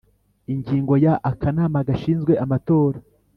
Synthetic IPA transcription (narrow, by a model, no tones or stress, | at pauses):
iɲɟiːŋɡo̞jaʔakanaːmaɡaʃiːnzɡwe̞ʔamato̞ːɾa